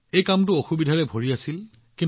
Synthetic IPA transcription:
ejkamtʊoxubidʱaɹɛbʱoɹiasil | kĩn

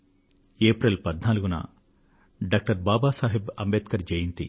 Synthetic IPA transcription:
eːpɾɐlpɐd̪naːluɡunɐ̰ | ɖaːk̚ʈɐɾbaːbaːsaːɦibɐmbeːt̪̚kɐɾd͡ʒɐjint̪ḭ

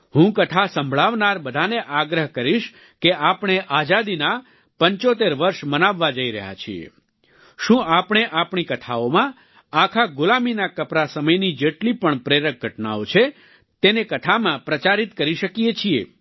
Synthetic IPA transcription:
ɦũkət̪ʰasəmbʱɭaʋnaɾbəd̪ʱaneʔaɡɾəɦkəɾiʃ | keapɳ̃eʔad͡ʒad̪ina | pəɲt͡ʃot̪eɾʋəɾʃmənaʋːad͡ʒəiɾə̰ɦja̰t͡ʃʰiḛ | ʃũʔapɳ̃eʔapɳ̃ikət̪ʰaomã | akʰaɡʊlaminakəpɾasəməjnid͡ʒeʈlipəɳpɾeɾək̚ɡʱəʈna̰ot͡ʃʰe | t̪enekət̪ʰamãpɾət͡ʃaɾit̪kəɾiʃəkijet͡ʃʰiḛ

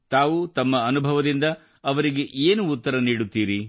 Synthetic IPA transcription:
t̪aːʋut̪ɐmːɐːnubʱɐʋɐd̪ind̪ɐ | ɐʋɐɾiɡe̞ʔeːnuːt̪ːɐɾɐniːɽut̪ːiːɾi

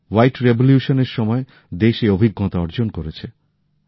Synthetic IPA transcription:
wajʈɾeboljuʃoneɾʃɔmɔe | d̪eʃeobʱiɡːɔt̪aɔɾd͡ʑonkoɾet͡ɕʰe

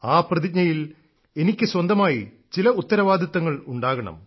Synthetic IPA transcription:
aːprɐðiɲɐjil | e̞nikʲːɨswɐnd̪ɐmaːji | t͡ɕilɐut̪ːɐɾɐʋaːd̪ʱɐt̪ːɐŋːɐɭuɳɖaːɣɐɳɐ̰m

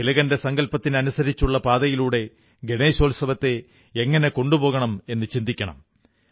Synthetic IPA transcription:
ilɐɣɐnde̞sɐŋɡɐlpɐt̪ːinɐnusɐɾit͡ɕːuɭːɐpaːd̪ɐjiluːɽe̞ | ɡeɳeːɕoːlsɐʋɐt̪ːe̞ː | ŋːɐne̞ko̞ɳɖupo̞ːɣɐɳɐme̞nːɨt͡ɕind̪ikʲːɐɳɐ̰m

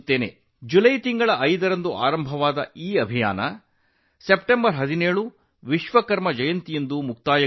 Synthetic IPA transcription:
t̪ːeːne | d͡ʒulɐjt̪iŋɡɐɭɐʔɐjd̪ɐɾɐnd̪uʔa̰ːɾɐmbʱɐʋaːd̪ɐ̰iːɐbʱija̰ːnɐ | sepʈembɐɾɦɐd̪ineːɭu | ʋiʃʋɐkɐɾmɐd͡ʒɐjɐnt̪ijɐnd̪umuk̚t̪aːjɐ

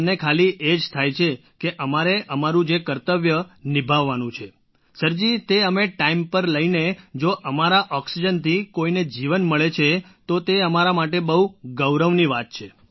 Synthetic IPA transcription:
nekʰaliʔed͡ʒt̪ʰajt͡ʃʰe | keʔəmaɾeʔəmaɾũd͡ʒekəɾt̪əʋjənibʱaʋːanũt͡ʃʰe | səɾd͡ʒit̪eəmeʈaimpəɾləined͡ʒoʔəmaɾaʔɔksid͡ʒənt̪ʰikoined͡ʒiʋənməɭet͡ʃʰet̪ot̪eəmaɾamaʈebəɦuɡəwɾəʋniʋat̪̚t͡ʃʰe

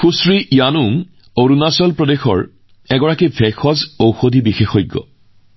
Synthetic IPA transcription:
xusɹijanuŋ | oɹunasɔlpɹɔdexɔ̰ɹ | ɛɡɔɹakibʰʱɛxɔzowxodʱibixexɔjɡːɔ̰

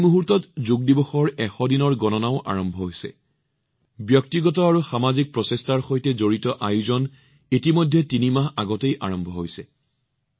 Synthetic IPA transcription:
muɦuɹtɔtzuɡ̚dibɔxɔɹɛxɔdinɔɹɡɔnɔnaʊʔa̰ɹɔmbʱɔɦojsɛ̰ | bjɔk̚tiɡɔtɔaɹuxamazik̚pɹɔsestaɹxojtɛzoɹitɔʔajuzɔn | itimojdʱːɛtinimaxaɡɔtejʔa̰ɹɔmbʱɔɦojsɛ

